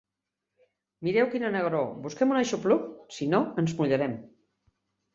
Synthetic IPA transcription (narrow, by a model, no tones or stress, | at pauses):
miɾɛwkinənəɣɾobuskɛmunaʃupluksinoənzmuʎəɾɛm